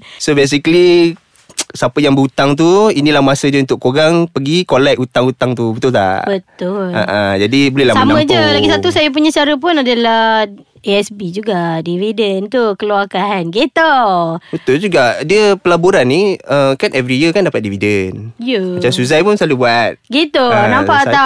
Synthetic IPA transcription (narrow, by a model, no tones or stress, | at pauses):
sobes̬ikəli | sapəjaŋbəut̪aŋt̪̬uinĩlahmasədəunt̪ʊʔkːoɡaŋpəɡikolɛʔut̪aŋut̪aŋt̪ubət̪ʊlt̪a̰ʔbət̪ʊla̰ʔad͡ʒadibolɛlamsamaə̃d͡ʒəlaɡisat̪usajap̬uɲãsaɾəp̬ʊnadala | eɛsbid͡ʒuɡadividənt̪ukəluakanɡet̪obət̪ʊld͡ʒuɡaʔdiəpəlabuɾanːĩəkanʔɛvɾijəkandapat̪̚dividənjəat͡ʃamsuzajpʊnsalubuat̪̚ɡit̪unãmpaʔt̪a